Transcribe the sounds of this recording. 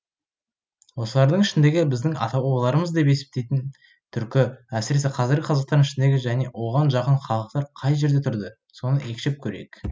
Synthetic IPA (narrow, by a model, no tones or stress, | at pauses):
wo̞səlˠɑɾd̪əɴɪʃɪnd̪e̞ɡʲɪbɪzd̪ɪŋɑ̰t̪ɑwlˠɑɾəməzd̪e̞pe̞sep̚t̪ejt̪ɪn | t̪ʰʏɾkʲɪæsɪɾe̞seqʰɑzɪɾɡʲɪqʰɑzɑq̚t̪ɑɾnɪʃɪnd̪eɡʲɪʒæne̞wo̞ʁɑnʒɑqəɴχɑlˠəq̚t̪ɑɾqʰɑjʒe̞ɾd̪et̪ʰʊɾd̪ə | so̞nəʔe̞kʲʃep̚kʲʰɵɾḛjk